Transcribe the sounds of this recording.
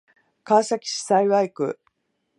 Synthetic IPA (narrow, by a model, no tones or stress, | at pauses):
kaːsakʲi̥ɕi̥saiβaikɯ̟̰